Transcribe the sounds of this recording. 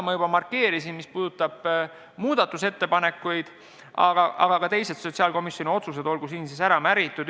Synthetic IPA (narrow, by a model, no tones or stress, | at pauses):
mɑjub̥ɑmɑrkːe̞ːɾisinmispuːd̪̥ut̪ːˑɑb̥ | muːd̪̥ɑt̪ːˑuse̞t̪ːepɑne̞kːˑujd̪̥ | ɑ̰ɡ̥ɑʔɑ̰ɡ̥ɑkɑt̪e̞jse̞t̪so̞t̪siɑːlko̞misjo̞nʲio̞t̪sus̬e̞d̪o̞lɡ̥usiːnsisæɾɑmæɾit̪ːˑud̪